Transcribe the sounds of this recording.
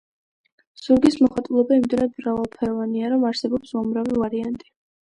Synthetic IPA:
z̥uɾɡismɔχwat̪ʼulˠɔbaimid̪ɛnad̪mɾavalˠpʰɛɾɔvaniaɾɔmaɾsɛbɔpsɔmɾavivaɾiant̪ʼi

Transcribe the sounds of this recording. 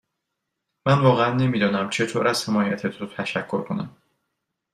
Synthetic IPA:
mænvɒːɣeænːe̞miːd̪ɒːnæmt͡ʃʰe̞t̪ʰoːɾæz̥he̞mɒːjæt̪ʰet̪ʰot̪ʰæʃækʰːo̞ɾkʰo̞næ̰m

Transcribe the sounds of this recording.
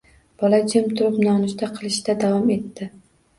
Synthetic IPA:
b̥ɒlad͡ʒɪmt̪ʰʊɾɪpnɒnɪʃt̪ʰaqʰɨlˠɪʃd̪ad̪avɒme̞t̪ːɪ

